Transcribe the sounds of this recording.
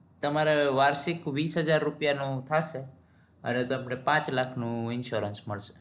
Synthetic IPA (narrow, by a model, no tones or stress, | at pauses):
t̪əmaɾeʋaɾʃikʋisɦəd͡ʒaɾːupjanũt̪ʰaʃe | ə̰net̪əmnepãt͡ʃlakʰnũɪnʃoɾənsməɭʃe̥